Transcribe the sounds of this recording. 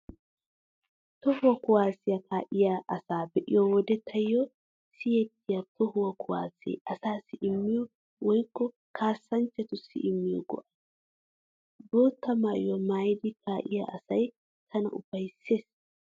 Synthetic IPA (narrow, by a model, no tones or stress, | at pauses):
t̪ɔhʊwɐkʊwaːsɪjɐkaːʔɪjaʔɐsaːbɛʔɪ̰jɔwɔd̪ɛt̪ʰɐjːɔ | sɪjɛt̪ːɪjɐt̪ɔhʊwɐkʰʊwa̰ːsɛ̰jʔɐsaːsɪʔɪmːɪjɔ | wɔjkːɔ | kʰaːsːɐnt͡ʃːɛt̪ʊsɪ̰ʔɪmːɪjɔ̰ɡɔ̰ʔɐ̥ | boːt̪ːɐmaːʔjɔmaːjd̪ɪkʰaːʔɪjɐ̰ɐsɐj | t̪ʰɐnɐ̰ʔʊfɐjsːeːs